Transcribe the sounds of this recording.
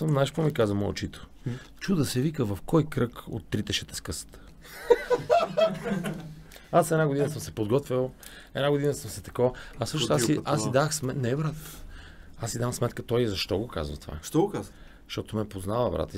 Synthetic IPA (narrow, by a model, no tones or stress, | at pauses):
əmnaʃpomikazvəmɔo̰t͡ʃit̪o̥ | t͡ʃud̪ɐsɛvikəvɐfkɔjkɾɤko̰t̪ːɾit̪ɛʃɛt̪ɛ̥skɤsə̥t̪ə̥ | asɛd̪aɡod̪inəsəmsɛpod̪ɡɔt̪vʲilˠ | ɛd̪naɡod̪inəsəmsɛt̪ɐ̥koɐsɤʃnsaiasid̪axsmɛnɛvɾat̪ə̥ | asid̪amsmɛt̪kət̪ɔjzɐʃt̪ɔɡoka̰zvə̰t̪va̰ʃt̪ɔɡka | ʃt̪ɔt̪omɛpoznavəvɾa̰t̪ə